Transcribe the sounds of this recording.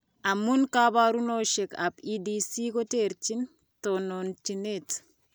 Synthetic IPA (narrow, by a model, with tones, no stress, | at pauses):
a˨mu˦nka˦ba˦ɾu˦noʃe˨ka̰˨pidisi˦ko˦te˨ɾt͡ʃi˦n | tonont͡ʃinet